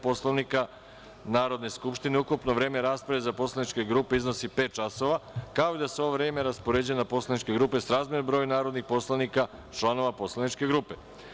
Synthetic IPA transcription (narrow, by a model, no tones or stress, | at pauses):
po̞slˠanika | naːɾo̞d̪ne̞skupʃt̪ineukupnoʋɾe̞ːme̞ɾaːspɾaʋezapo̞slˠanit͡ʃke̞ɡɾuːpeizno̞sipeːt̪̚t͡ʃaso̞ʋakaoid̪aseo̞ʋoʋɾe̞ːme̞ɾaspoɾeːd͡ʑuenapo̞slˠanit͡ʃke̞ɡɾuːpe̞sɾaːzmjenobɾojunaːɾo̞d̪nixpo̞slanika | t͡ʃlˠano̞ʋapo̞slanit͡ʃke̞ɡɾuːpe